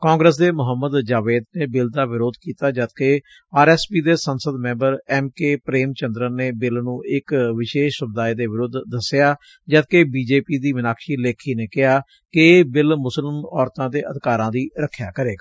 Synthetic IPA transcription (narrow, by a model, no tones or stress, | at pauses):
kãːŋɡɾəs̬d̪eːmʊɦəmːəd̪d͡ʒaːʋeːd̪neːbɪld̪aːʋɪɾoːd̪kiːt̪aːd͡ʒət̪keː | aːɾɛːspiːd̪eːsənsəd̪mɛ̃ːmbəɾɛːmkeːpɾeːmt͡ʃənd̪ɾəneːbɪlnũːʔɪkʋɪʃeːʃsʊb̚d̪aːiːd̪eːʋɪɾʊd̪ːəsɪjaː | d͡ʒət̪̚keːbiːd͡ʒeːpiːd̪iːʋɪnaːkʃiːleːkʰiːneːkɪɦaː | kɪbɪlmʊsəlmɔːɾt̪ãːd̪eːʔəd̪kaːɾãːd̪iːɾəkʰːja̰ːkəɾeːɡaː